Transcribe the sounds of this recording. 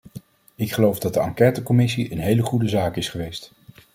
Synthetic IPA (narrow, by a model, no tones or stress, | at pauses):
ɪkχəlowvdɑt̚dəɑŋkɛːtəkɔmɪsiʔənɦejləχudəzaːkɪsχəʋejst